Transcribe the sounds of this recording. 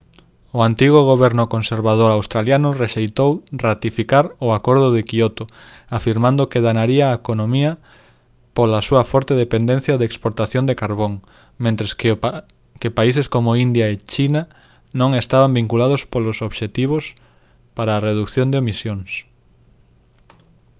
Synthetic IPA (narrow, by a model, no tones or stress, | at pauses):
oant̪iɣ̞ʊɣ̞oβɛɾnʊkonseɾβað̞oɾawst̪ɾaljanʊreʃejt̪owrat̪ifikaɾʊakoɾðʊðekiot̪ʊ | afiɾmãnd̪ʊkeðanaɾiaːekonõmiɐ | polasuɐfɔɾt̪eðepend̪ẽn̟θjaðeːkspoɾt̪aθjond̪ekaɾβoŋ | mẽnt̪ɾes | kepaiseskomoind̪jaet͡ʃina | nõŋest̪aβambiŋkulað̞ospolosoβʃet̪iβ̞os | paɾaːreðukθjõnd̪eomisjoŋs